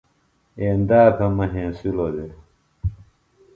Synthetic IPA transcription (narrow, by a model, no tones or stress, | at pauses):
eːnd̪aːt̪ʰɐmɐɦẽːsulod̪e